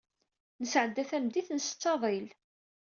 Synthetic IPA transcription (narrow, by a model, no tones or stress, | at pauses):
nəsʕəd̪ːæθæmd̪iθnəst͡sːɑðˤil